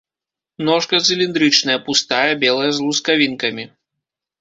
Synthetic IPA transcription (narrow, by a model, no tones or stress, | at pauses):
nɔʂkɐt̪sʲɨlʲind̪ɾɨt͡ʂnɐjɐpust̪ajɐbʲɛlˠɐjɐzlˠuskavʲinkɐmʲi